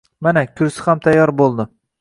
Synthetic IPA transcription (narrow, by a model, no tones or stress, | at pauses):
manakʲʰʊɾsɪ̥hamt̪ʰajːɒɾbolˠd̪ɪ